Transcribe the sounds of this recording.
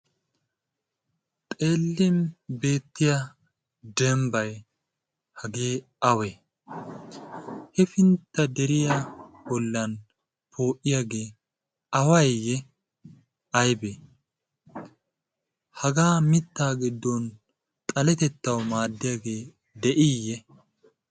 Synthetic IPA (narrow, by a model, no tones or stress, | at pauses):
t̪ʼe̞ːlːɪmbe̞ːt̪ːɪjɐ | d̪ɛmbɐj | hɐɡeː | ɐwɛ | hɛfɪnt̪ːɐd̪ɛɾɪja | bɔlːɐn | pʰo̞ːʔɪjaɡe̞ː | ɐwɐjjɛ | ɐjbe | hɐɡaːmɪt̪ːaːɡɪd̪ːɔn | t̪ʼɐlɛt̪ɛt̪ːɐwmaːd̪ːɪjaɡe̞ː | d̪ɛʔɪjːɛ